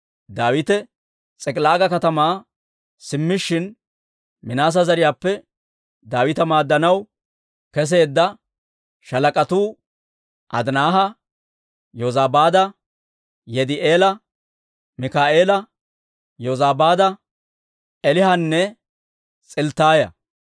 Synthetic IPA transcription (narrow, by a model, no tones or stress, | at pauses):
d̪aːwɪt̪ɛ | t͡sʼɛkʼlaːɡɐkɐt̪ɐmaː | sɪmːɪʃːɪn | mɪnaːs̬ɐzɐɾɪjaːpːɛ | d̪aːwɪt̪ɐmaːd̪ːɐnɐw | kɛs̬e̞ːd̪ːɐ | ʃɐlɐkʼɐt̪uː | ʔɐ̰d̪naːɦɐ | jozaːbaːd̪ɐ | jɛd̪ɪʔeːlɐ | mɪkaːʔeːlɐ | jozaːbaːd̪ɐ | ɛlɪhɐnːɛ | t͡sʼɪlt̪aːjɐ̰